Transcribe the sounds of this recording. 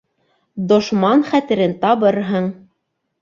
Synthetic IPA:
d̪ŏʃmɑnχæt̪ɘ̆ɾɘnt̪ɑβɤɾɦɤɴ

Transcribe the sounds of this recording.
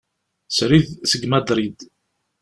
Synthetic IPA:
sɾiðsəɡmæd̪ɾid̪

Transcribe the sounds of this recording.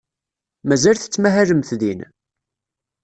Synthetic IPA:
mæzælθə̥t͡sːmæɦæləmθðin

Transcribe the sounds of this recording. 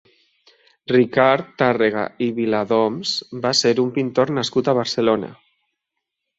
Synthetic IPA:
rikaɾt̪areɣa̰iβilaðomz̥baseɾumpint̪oɾnaskut̪aβ̞aɾselona̰

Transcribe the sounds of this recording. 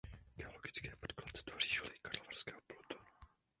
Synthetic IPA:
ɡ̥ɛoloɡɪt͡skɛːpot̪klat̪t̪vor̝iːʒolikaɾlovarskɛːɦoplut̪u

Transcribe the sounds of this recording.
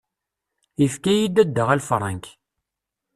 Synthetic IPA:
ifkæjid̪æd̪ːəʁælfɾˤɑ̰ŋk

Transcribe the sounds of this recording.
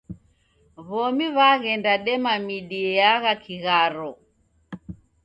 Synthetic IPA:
βɔmiβaɣɛndaɗɛmamiɗiɛjaɣakʰiɣaɾɔ

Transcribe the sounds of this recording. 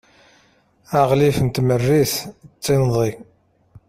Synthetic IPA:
aʁlifənt̪mərːiθt͡sˤːɪnðˤi

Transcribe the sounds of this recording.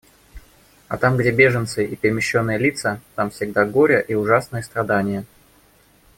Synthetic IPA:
ɐ̰t̪amɡdʲebʲe̞ʐənt̪sɨʔipʲɪɾʲɪmʲɪɕːonːɨjəlʲit̪sət̪amfsʲɪɡ̚d̪aɡo̞ɾʲəʔiʊʐasnɨjəst̪ɾɐd̪anʲɪjə

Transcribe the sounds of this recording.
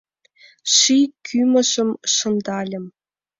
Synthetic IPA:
ʂikʲʰymə̆ʃɤ̆mʂɤ̆nd̪ɑlʲɘ̆m

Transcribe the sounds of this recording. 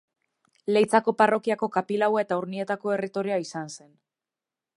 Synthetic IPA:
le̞jt͡sako̞paro̞kiako̞kapilawaet̪auɾnie̞t̪ako̞e̞rit̪o̞ɾiaisanse̞n

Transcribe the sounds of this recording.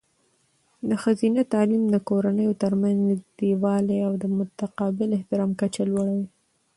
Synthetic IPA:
d̪əxazinat̪ɑlimd̪əkoɾanəjot̪əɾmanzd̪iwɑleawd̪əmʊt̪aqɑbɪlɪht̪ɪɾɑmkat͡ʃalwaɽawi

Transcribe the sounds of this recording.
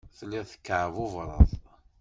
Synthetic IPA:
θlːiʁθə̥kːəʕəvʊvɾˤə̰ðˤ

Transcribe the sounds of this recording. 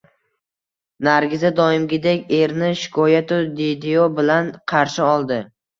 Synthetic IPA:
naɾɡʲɪzad̪ɒɪmɡʲɪd̪ekʲe̞ɾnɪʃɪ̥kʰɒjat̪ʰʊd̪id̪eobɪlanqʰɑɾʃɪɒlˠd̪ɪ

